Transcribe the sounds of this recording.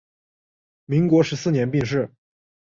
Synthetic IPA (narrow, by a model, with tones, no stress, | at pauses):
mi˧˥ŋkwɔ˧˥ʂɻ̩˧˥sɹ̩˥˩njɛ˧˥npi˥˧ŋʂ̬ɻ̩˥˩